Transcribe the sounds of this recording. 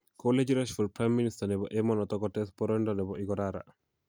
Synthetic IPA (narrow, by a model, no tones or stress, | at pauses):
koled͡ʒɾaʃfɔlpɾajmːinistanɛbɔʔɛmɔnɔt̪ɔɡɔtɛspɔɾɔndɔnɛbɔʔiɡɔɾaɾa̰